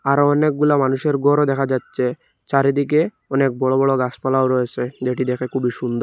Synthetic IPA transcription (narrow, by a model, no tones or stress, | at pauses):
aɾɔnek̚ɡulamanuʃeɾɡɔɾod̪ɛkʰad͡ʑatːsʰe | t͡ɕaɾed̪ike | ɔnek̚bɔɭobɔɭoɡaspalaoɾɔet͡ɕʰed͡ʒeʈid̪ɛkʰekʰubiʃund̪ɔɾ